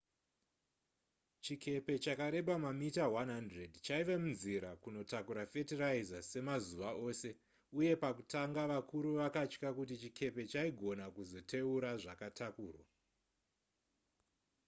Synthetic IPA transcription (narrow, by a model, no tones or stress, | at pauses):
t͡ʃikʰe̞pe̞t͡ʃakaɾe̞ɓamamitawanɦandredt͡ʃaiʋemunziɾakuno̞takuɾafe̞tiraizase̞mazuʋaʔo̞ːse̞ | uje̞pakutaŋɡaʋakʰuɾuʋakat͡ʃkakutit͡ʃikʰe̞pe̞t͡ʃaiɡʱo̞nakuzo̞tʰe̞uɾaʐakatʰakuːrwa̰